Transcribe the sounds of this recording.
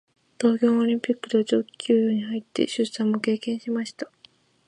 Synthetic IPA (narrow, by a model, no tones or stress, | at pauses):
t̪o̞ːkʲo̞ːoɾʲĩmpʲikːɯ̟t̪ot͡ɕoːkʲʰɨːjɯːɲ̟ihait̪ːe̞̰ɕɨsãmːo̞ke̞ːkẽ̞ɰ̃ɕimaɕi̥t̪ḁ